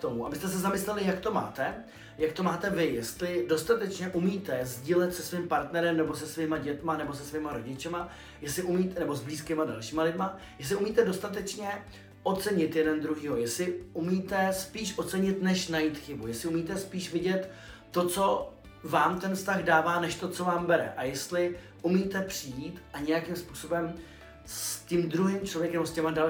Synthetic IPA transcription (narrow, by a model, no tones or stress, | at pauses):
kt̪omuabɪst̪ɛs̬ɛzamɪslɛlɪjakt̪o̞ma̰ːt̪ɛ | jakt̪o̞maːt̪ɛvɪjɛst̪lɪdo̞st̪at̪ɛt͡ʃɲɛʔumiːt̪ɛzɟiːlɛt̪sɛsviːmpaɾt̪nɛɾɛmnɛbo̞sɛsviːmaɟɛt̪manɛbo̞s̬ɛsviːmaɾo̞ɟɪt͡ʃɛma | jɛslɪʔumiːt̪ɛnɛbo̞zbliːskɪmada̰lʃiːmalɪdma | jɛs̬lɪʔumiːt̪ɛdo̞st̪at̪ɛt͡ʃɲɛ | ʔo̞t̪t͡sɛɲɪt̪jɛdɛnd̪ɾuɦiːɦojɛslɪumiːt̪ɛspiːʃʔot̪t͡sɛɲɪt̪nɛʃnajiːt̪xɪbujɛslɪumiːt̪ɛspiːʃvɪɟɛt̪ː | o̞t͡so̞ | vaːmt̪ɛnfst̪aɣdaːvaːnɛʃt̪o̞t͡so̞vaːmbɛɾɛ̰ʔajɛst̪lɪ | ʔumiːt̪ɛpr̝̥ɪjiːt̪aɲɛjakimspuːso̞bɛm | sscɪmdɾuɦiːmt͡ʃlo̞vjɛkɛmoscɛmada